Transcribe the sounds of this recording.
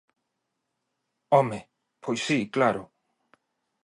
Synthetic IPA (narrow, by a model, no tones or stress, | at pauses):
ome | pʰojsiklaɾo